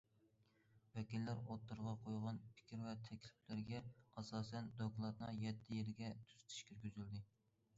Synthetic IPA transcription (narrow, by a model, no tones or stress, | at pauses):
wɛkʲilːæɾot̪ːuɾʁɑqʰojʁɑnpʰɪ̥kʲiɾwɛt̪ʰɛkʲlɪflɪɾɡʲɛɑsɑːsɛnd̪oklˠɑt̪nɨŋjɛt̪ʰːɪjeɾɪɡʲɛt̪ʰy̥z̥t̪ʰɪ̥ʃkʲʰyɾɡʲyzyld̪ɪ